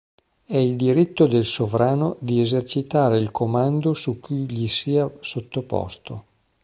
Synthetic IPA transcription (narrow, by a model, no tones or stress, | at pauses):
ɛild̪iɾit̪ːod̪elsovɾaːnod̪iezert͡ʃit̪aːɾeilkʰomand̪osukːujʎisiːasot̪ːopɔ̰st̪o̰